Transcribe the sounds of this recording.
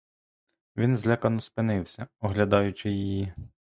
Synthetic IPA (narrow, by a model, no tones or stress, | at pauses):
ʋʲinzlʲɛkɐnɔspɪnɪwsʲɐɔɦlʲɐd̪ɑjʊt͡ʃɪjiji